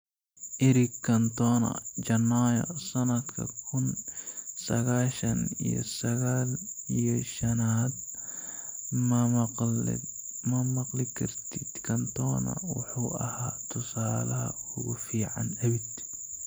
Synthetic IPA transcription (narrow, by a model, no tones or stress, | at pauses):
ʔɪɾɪkʰːɐnt̪ɔnɐ̰d͡ʒɐnːaːjɐ̰sɐnɐd̪kʰɐ̰kʰʊn | sɐɣaːʃɐnḭjɔ̰sɐɣaːlijɔʃɐnaːd̪̚ | m | mɐmɐqlɪkʰɐrt̪ʰid̪̥kʰɐnt̪ʰɔːnɐ̰wʊ̰ħuːʔɐhaːt̪ʰʊsaːlɐɦɐ̰ʊɣʊfiːʕa̰nɐwɪd̪